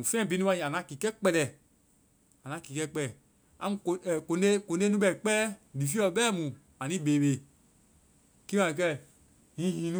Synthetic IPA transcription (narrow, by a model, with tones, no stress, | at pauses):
ũ˨fɛ̃ː˦˨bi˨˦nũ˦ã˧ĩ˨a˨ã˨˦ki˨kɛ˦k͡pɛ˧lɛ˨ | a˨nã˨˦ki˨kɛ˦k͡pɛ˦ɛ˨ | a̰˨mũ˨kːko˧nde˦ko˨nde˦nũ˦ɓɛ˨i˨k͡pɛː˦li˨fi˦ɔ˧˨˦ɓɛː˦mũ˨ | a˨nĩ˦ɓeː˨ɓe˨ | ki˦ã˨i˨k̬ɛ˦ | ĩ˦hĩ˨˦nũ˦